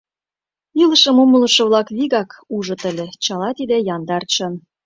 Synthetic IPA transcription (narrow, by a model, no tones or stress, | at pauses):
ilə̆ʃə̆mumələ̆ʃɤ̆βlɑkβiɣɑkuʒɤ̆t̪ə̆lʲĕt͡ɕɑlɑt̪id̪ejɑnd̪ɑrt͡ɕə̆n